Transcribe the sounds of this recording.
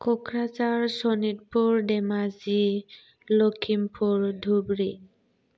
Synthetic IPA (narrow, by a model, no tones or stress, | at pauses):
kɔkʰɹazaɹsonit̚puɹdɛmazi | lokʰimpʰuɹd̪ʱubɹi